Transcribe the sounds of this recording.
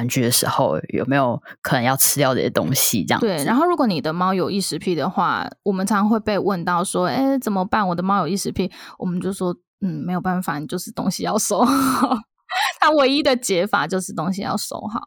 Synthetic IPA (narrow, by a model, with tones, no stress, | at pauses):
nt͡ɕy˥˩d̪ə˩ʂɻ̩˧˥xo̰˥˧ʊjo̰˨˩ʊme˧˥ɪjo˨˩ʊkʰɤ˨˩nə˧˦jɑ˥˧ʊʈ͡ʂʰɻ̩˥ljɑ˥˧ʊə̰˥˩˨t̪o̰˥ŋɕḭ˨˥jɑ̰˧t̪we˥˩ɪɻa˧a˧˦nxo˥ʊɻu˧˥kwɔ˧˦ni˨˩d̪ə˦mɑ˥ʊjo˨˩ʊi˥˩ʂɻ̩˧˥pʰi˥˩d̪ə˩xwa̰˥˩wʔɔ˨˩mə˨˦nt͡sʰɑ˧˥ɑ˥ŋxwe˥˧ɪpe˥˧ɪwə˥˧nt̪ɑ˥˩ʊʂwɔ˥e˥˩ɪt͡sə˨˩nmə˦pa˥˩nwɔ˨˩d̪ə˦mɑ˥ʊjo˨˩i˥˩ʂɻ̩˧˥pʰi˥˩wɔ˨˩mə˦nt͡ɕjo˥˩ʊʂwɔ˥ | n̩˥˩me˧˥ɪjpa˥˩nfa˨˩ni˨˩t͡ɕjo˥˧ʊʂɻ̩˥˩t̪o̰˥ŋɕi˨jɑ˥˩ʊʂo˥ʊ | t̪ʰa˥we˧˥ɪi˥d̪ə˨t͡ɕjɛ˧˥fa̰˨˩t͡ɕjo˥˧ʊʂɻ̩˥˩t̪ʊ˥ŋɕi˨jɑ̰˥˩ʊʂo̰˥ʊxɑ̰˨˦